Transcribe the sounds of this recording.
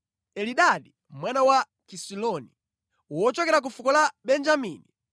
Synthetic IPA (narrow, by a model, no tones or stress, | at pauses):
ɛliɗaɗi | mwanawa | kisilɔni | wɔt͡ʃɔkɛɾak̬ufukɔlaɓɛnd͡ʒamiːni